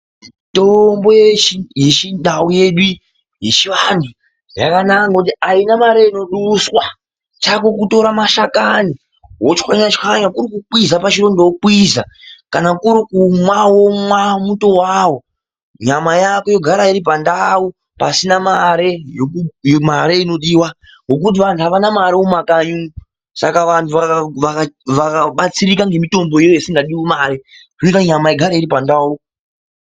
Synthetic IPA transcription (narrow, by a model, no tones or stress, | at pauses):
to̞mbo̞jet͡ʃije̞ʃindauje̞ɗu | je̞ʃiʋantʰu | ja̰kanakaŋɡakutiainamaɾeino̞ɗuswa | t͡ʃako̞kuto̞ɾamaʃakani | wot͡ʃxaɲat͡ʃxaɲakuɾikuk͡pwizapat͡ʃiro̞ndowok͡pwizakanakuɾikumwawo̞mwamuto̞wawo̞ | ɲamajako̞joɡʱaɾaiɾip̬andau | pasinamaɾe̞jokujomaɾeino̞ɗiːwa | ŋɡo̞kut̬iʋantʰuaʋanamaɾeumakaɲu | sa̰kaʋantʰuaaʋakaʋakaɓat͡siɾikaŋɡe̞mito̞mbo̞ijojesiŋɡaɗiwimaːɾeʐnekaɲamaeɡʱaɾaiɾipandau